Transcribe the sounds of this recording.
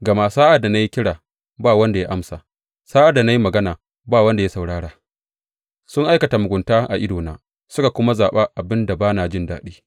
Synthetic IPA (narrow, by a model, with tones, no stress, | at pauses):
ɡɐ˨maː˦˨saː˦ʔa˨da˨na˦ji˦kʲɪ˦ɽaː˨ | baː˦˨wɐ˦nda˨ja˦ʔa˦msaː˨ | saː˦ʔa˨da˨na˦ji˦mɐ˨ɡɐ˦naː˨ | baː˦˨wɐ˦nda˨ja˦sa˨wɽaː˦ɽaː˨ | sʊ˦ŋʔa˦jkɐ˨ta˨mʊ˨ɡʷʊ˨ntaː˦ʔa̰˨ʔɪ˦doː˨naː˦ | sʊ˦ka˨kʷʊ˦ma˦zaː˨ɓaː˦ʔa˨bɪ˦nda˨baː˦naː˨d͡ʒɪ˦˨ndaː˦ɗiː˦